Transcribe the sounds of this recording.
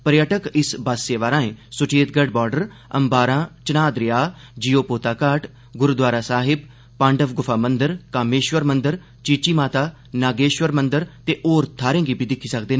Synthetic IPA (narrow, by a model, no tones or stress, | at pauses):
pəɾjəʈəkɪsbaːseːʋaːɾãːẽːsʊt͡ʃeːt̪̚ɡəɖ̚bɔːɾɖəɾ | ə̰mbaːɾãːt͡ʃənaːd̪ɾɪjaː | d͡ʒijoːpoːt̪aːkaːʈ | ɡʊɾd̪waːɾaːsaːɦɪb̚ | pãːɳɖəʋɡʊfʰaːmənd̪əɾkaːmeːʃwəɾmənd̪əɾ | t͡ʃiːt͡ʃiːmaːt̪aː | naːɡeːʃʋəɾmənd̪əɾt̪eːʔoːɾt̪ʰaːɾẽːɡiːbʱiːd̪ɪkʰːiːsəkd̪eːnː